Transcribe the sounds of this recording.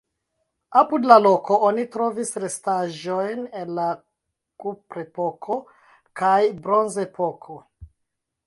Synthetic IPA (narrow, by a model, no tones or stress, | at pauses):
apudlalo̞ko̞onitɾo̞visɾe̞staʒojne̞nla | kupɾepo̞kʰo̞ | kajbɾo̞nzepo̞kʰo